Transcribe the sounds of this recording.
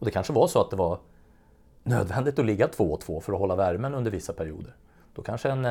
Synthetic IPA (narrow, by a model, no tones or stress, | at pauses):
ɔd̪ɛkʰanʂəvaʂɔat̪̚d̪ɛvaɾ | nøːd̪vɛnd̪ɪt̪ɔlɪɡːat̪ʰv̥oːɔt̪ʰv̥oːfœɾɔɦɔlːavæɾmənɵnd̪əɾvɪsːapʰæɾɪṵːd̪əɾ | d̪̥ɔkʰanʂəɛn